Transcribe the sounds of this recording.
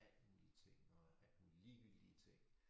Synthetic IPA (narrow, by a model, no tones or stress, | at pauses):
æl̰d̥muːlit͡sʰe̝ŋ̰ɒæl̥muːliliːʋiɡ̥d̥iət͡sʰe̝ŋ̰